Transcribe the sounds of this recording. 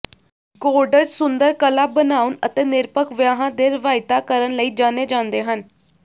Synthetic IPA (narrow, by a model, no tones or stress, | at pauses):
ɡoːɾɖəɾd͡ʒsʊnd̪əɾkəlaːbənaːʊnət̪eːnɪɾpəkʋjaːɦãːd̪eːɾɪʋaːɪt̪aːkəɾənləiːd͡ʒaːneːd͡ʒãːnd̪eːɦən